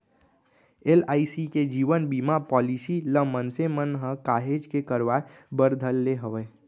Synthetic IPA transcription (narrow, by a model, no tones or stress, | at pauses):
elaːisiked͡ʒiːʋənbimapɔːlisiləmənsemənɦəkaːɦed͡ʒkekəɾʋaebəɾd̪ʱəlːeɦəʋeː